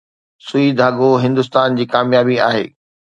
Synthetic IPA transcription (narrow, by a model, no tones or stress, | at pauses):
sʊid̪ʱaːɠoɦɪ̃nd̪ʊst̪aːnd͡ʑiːkaːmjaːbiaːɦḛː